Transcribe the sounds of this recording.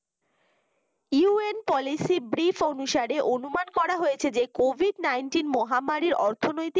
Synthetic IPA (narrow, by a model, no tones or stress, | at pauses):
juenpɔlisibɾifʰonuʃaɾeʔonumankɔɾaɦojet͡ɕʰed͡ʑekobʱiɖnajnʈinmɔɦamaɾiɾɔɾt̪ʰonojt̪i